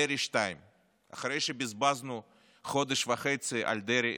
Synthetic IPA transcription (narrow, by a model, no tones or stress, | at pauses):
eɾiʃt̪ajm | a̰χaɾejʃebɪzbaznu | χod̪eʃvaχejt͡sɨʔa̰lʲd̪eɾi